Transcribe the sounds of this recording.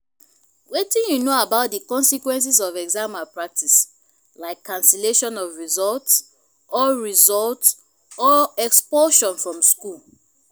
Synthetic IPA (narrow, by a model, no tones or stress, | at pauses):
wetĩnjunoabaʊt̚dikɔ̃nsikwɛ̃ns̬izɔvɛɡzãmapɹak̚tʰis | laɪkʰːãnsɛleʃɔ̃nɔvɹizɔlts | ɔɹizɔlt | ɔɛkspɔʃɔ̃nfɹɔ̃mskul